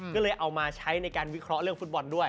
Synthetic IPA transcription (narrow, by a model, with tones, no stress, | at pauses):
kɔː˥˩lɤː˧jʔa˧wmaː˧t͡ɕʰa˦˥jna˧jkaː˧nwi˦˥kʰɾɔ˦˥ʔɾɯ˥˩əŋfu˦˥t̪̚bɔ˧ndu˥˩əj